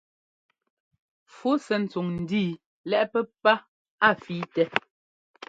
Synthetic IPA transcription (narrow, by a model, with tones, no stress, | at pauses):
fu˦sɛ˨n̩˨t͡su˨ŋn̩˨diː˦˨ | lɛ˦ʔpɛ˦pa˦ | a˦˨fiː˨˦tɛ˦